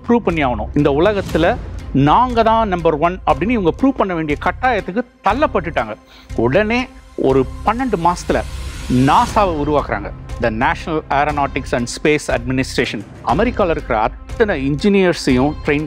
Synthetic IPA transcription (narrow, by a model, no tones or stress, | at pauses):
pɾuːʋpɐɳːiaːʋɐɳʊ̰̃ːɪnd̪ɐʊɭɐɣɐt̪ːɪlɐnaːŋɡɐðãːnɐmbɐɾʋɐnɐpːɐɽɪnːɯɪʋɐŋɡɐpɾuːʋpɐɳːɐʋeːɳɖɪjɐkɐʈːaːjɐt̪ːɯkːɯt̪ɐlːɐpːɐʈːɯʈːaːŋɡɐ | ʊɽɐneː | ɔ̰ɾɯpɐnːɐɳɖɯmaːsɐt̪ːɪlɐ̰naːsaːʋɐʊɾʊʋaːkɪɾa̰ːŋɡɐɪnd̪ɐnaːʂɐnɐlaːɾɐnaːʈɪksɐɳɖspeːsɐɖ̚mɪnɪsʈɾeːʂɐn | ɐmɛɾɪkːaːlɐɪɾɯkːɪɾɐ̰ɐt̪ːɐnɐɪɲd͡ʒɪnɪjɐɾsɐjʊ̃ʈɾeɪn